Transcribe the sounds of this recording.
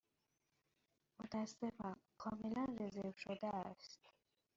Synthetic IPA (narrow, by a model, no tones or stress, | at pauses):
mot̪ʰæsefɑnkʰɔːmelanrezevʃod̪æːst̪